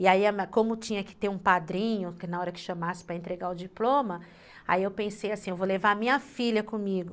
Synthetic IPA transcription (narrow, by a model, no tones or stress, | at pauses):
iaiɐmkõmʊt͡ʃĩɲɐkɪ̥t̪eɾũpad̪ɾĩɲʊkɪnaɔɾɐkɪ̥ʃɐmasɪ̥pɾɐẽnt̪ɾeɡaʊd͡ʒiplõmɐ | a̰iewpẽsejasĩewvolevaɐmĩɲɐfiʎɐkõmiɡʊ